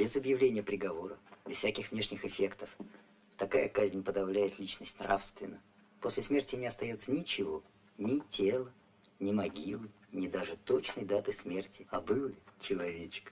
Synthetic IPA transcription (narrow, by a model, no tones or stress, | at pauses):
bʲɪzəbjɪvlʲenʲɪjəpɾʲɪɡɐvo̞ɾəbʲɪz̥fsʲækʲɪxvnʲe̞ʂnʲɪxɪfʲe̞kt̪əf | t̪ɐkajəkazʲnʲpəd̪ɐvlʲæjɪt̪lʲit͡ɕnəsʲtʲnrafst̪vʲɪnːə | posʲlʲɪsmʲertʲɪnʲɪɐst̪ɐjo̞t̪sənʲɪt͡ɕɪvo̞ | nʲɪtʲʰelˠə | nʲɪmɐɡʲilˠɨ | nʲɪd̪aʐɨt̪o̞t͡ɕnəjd̪at̪ɨsmʲe̞rtʲɪɐbɨlˠʲɪt͡ɕɪlˠɐvʲet͡ɕk